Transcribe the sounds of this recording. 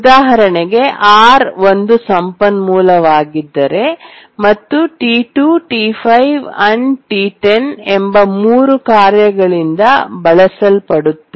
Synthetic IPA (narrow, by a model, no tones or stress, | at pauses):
ud̪aːɦɐɾɐɳeɡe̞ʔaːɾʋo̞nd̪usɐmpɐnmuːlɐʋaːɡid̪ːɐɾe̞ | mɐt̪ːuʈiːʈuʈipʰɐjʋɐnʈiːʈenembɐmuːɾukaːɾjɐɡɐɭind̪ɐbɐɭɐsɐlpɐɽut̪ːe